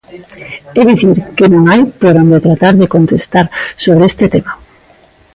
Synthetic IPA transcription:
ɛðiθiɾkɪnõŋajpoɾond̪et̪ɾat̪aɾðekont̪est̪aɾsoβ̞ɾeest̪ɪt̪ema

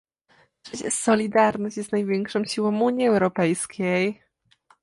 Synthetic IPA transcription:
t͡ʂɛt͡ɕɛ̰sɔlʲid̪aɾnɔɕt͡ɕjɛst̪najvʲjɛŋkʂɔ̃wɕiwɔ̃muɲiɛwɾɔpɛjskʲej

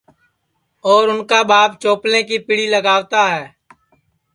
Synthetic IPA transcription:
ɔːɾʊnkabaːpt͡ʃoːplẽk̬ipɪɽiləɡaːʋt̪aɦɛː

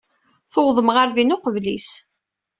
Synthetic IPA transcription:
θʊwðˤəmʁəɾðinʊqəvlis

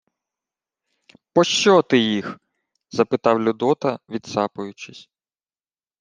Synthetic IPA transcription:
pɔʃt͡ʃɔt̪ɪjix | zɐpɪt̪ɑwlʲʊd̪ɔt̪ɐʋʲid̪sɑpʊjʊt͡ʃɪsʲ

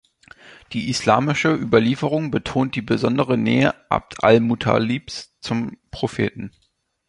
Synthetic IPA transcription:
d̥iːʔislaːmɪʃəʔyːbɐliːfəʁʊŋbətʰoːnt̚d̥iːbəzɔndəʁənɛːəʔa̰p̚tʰa̰lmutʰa̰liːpst͡sʊmpʁ̥ofeːtn̩

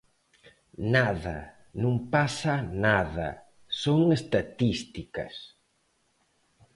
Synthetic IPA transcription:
naðɐ̰ | nũmpasanaðɐ̰ | soŋest̪at̪ist̪ikɐ̰s

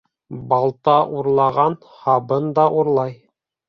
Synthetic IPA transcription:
bɑlˠt̪ɑʔuɾlˠɑʁɑn | hɑbɤnd̪ɑʔuɾlˠɑj

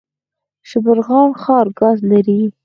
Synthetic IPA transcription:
ʃɪbəɾɣɑnxɑɾɡɑzlaɾi

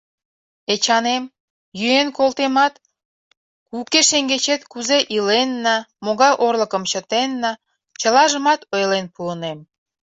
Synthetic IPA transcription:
et͡ɕɑnem | jyenkolˠt̪emɑt̪ | kukeʃeŋɡet͡ɕet̪kuzeʔilenːɑmoɣɑjʔorləkəmt͡ɕət̪enːɑ | t͡ɕəlɑʒəmɑt̪ojlenpuənem

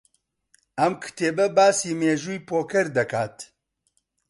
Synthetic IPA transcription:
ɐmkʰɨ̥t̪ʰeːbɛbaːsiːmeːʒuːjpoːkʰɛɾd̪ɐkʰaːt̪

